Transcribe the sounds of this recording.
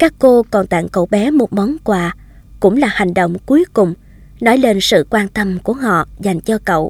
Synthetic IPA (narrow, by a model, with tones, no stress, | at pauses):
kaː˦˥kːo˧kɔ˨˩nt̪a̰ː˧˨ŋkə̰˧˩˨wɓɛ˨˦mo˨˩t̚mɔ˨˦nkwaː˧˩ | kʊ̰˧˥ŋ͡mlaː˨˩ha˨˩jŋ̟ɗə̰˧˨wŋ͡mku˨˦əjkʊ˨˩ŋ͡m | nɔ˨˦jle˧nsɨ̰˧˨kwaː˧nt̪ə˧mku˧˩əhɔ̰˧˨za˨˩jŋ̟t͡ɕɔ˧kə̰˧˨w